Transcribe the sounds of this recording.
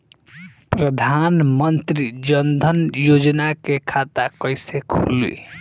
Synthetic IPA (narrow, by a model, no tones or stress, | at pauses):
pɾəd̪ʱanmənt̪ɾid͡ʒənd̪ʱənjod͡ʒnakekʰat̪akəjsekʰulḭ